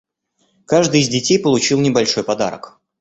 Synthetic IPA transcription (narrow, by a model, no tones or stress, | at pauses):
kaʐd̪ɨɪzʲdʲɪtʲejpəlˠʊt͡ɕilˠnʲɪbɐlʲʂo̞jpɐd̪a̰ɾə̰k